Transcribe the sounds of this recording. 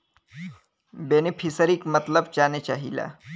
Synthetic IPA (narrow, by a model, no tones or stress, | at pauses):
benipʰisəɾiːkmət̪ləbd͡ʑanet͡ɕaɦila̰